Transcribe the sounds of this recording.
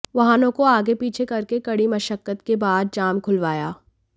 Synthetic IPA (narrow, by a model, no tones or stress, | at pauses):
ʋɐɦaːnõkoaːɡepiːt͡ʃʰekɐɾkekɐɽimɐʃəkːət̪kebaːd̪̚d͡ʒaːmkʰʊlʋaːjaː